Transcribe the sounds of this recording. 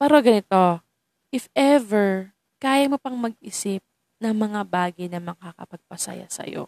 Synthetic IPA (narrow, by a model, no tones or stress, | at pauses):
pɛːɾoɡɐnɪt̪o̞ | ʔɪfʔɛvɛɹ | kaːjɐmopɐŋmɐɡ̚ʔɪsɪp̚ | nɐŋmɐŋabaːɡɐjnɐmɐkɐkɐ̰pɐɡ̚pɐsɐ̰ja̰sɐ̰jo̞̰